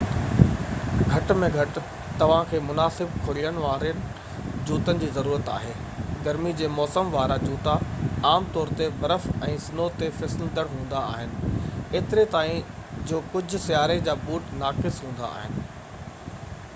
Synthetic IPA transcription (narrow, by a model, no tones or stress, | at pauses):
ɡʱɐʈmẽɡʱɐʈ̆ | t̪ɐʋ̤ãkʰeːmʊnaːsɪbkʰʊɽ̤iːəɽ̃ʋaːɾənɪ̆ | d͡ʑuːt̪ənɪ̆d͡ʑiːzɐɾuːɾət̪a̰ːɦeː | ɡɐɾmid͡ʑeːmɔːsəmʋaːɾad͡ʑuːt̪aaːmt̪ɔːɾt̪ebɐɾəfɛ̃ːsɪnot̪efɛsɪld̪əɽɦũːn̆d̪aa̰ːɦɪnɪ̆eːt̪ɪɾet̪aːɦĩd͡ʑoːkʊd͡ʑʱʊ̆sjaːɾed͡ʑaːbuːʈnaːkɪsɦũːn̆d̪a̰a̰ːɦɪnɪ̆